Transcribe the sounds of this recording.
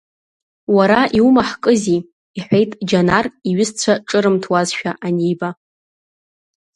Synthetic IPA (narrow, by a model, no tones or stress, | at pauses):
waɾaʔiumaħkʼɨziː | ħʷejtʼd͡ʒanariɥɪzt͡ɕʷʰaʈ͡ʂʼɨɾɨmtʰwazʃᶣaʔanejba